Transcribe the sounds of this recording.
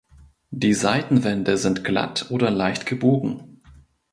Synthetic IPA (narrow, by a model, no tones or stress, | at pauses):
d̥iːzaɪtn̩vɛndəzɪntɡ̥la̰tʰʔoːdɐlaɪçtɡ̥əboːɡŋ̩